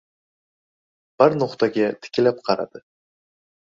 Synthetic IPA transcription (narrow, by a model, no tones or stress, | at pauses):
b̥aɾnoqt̪aɡʲat̪ʰɪ̥kʲɪlap̚qʰɑɾa̰d̪̥ɨ